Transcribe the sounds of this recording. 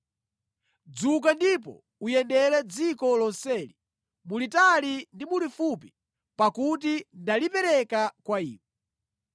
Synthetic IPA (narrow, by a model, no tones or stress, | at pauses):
d͡zukandipɔ̰ | ujɛndɛɾɛd͡zikɔlɔnsɛli | mulitalindimulifupi | pakutindalipɛɾɛkakwaḭːwɔ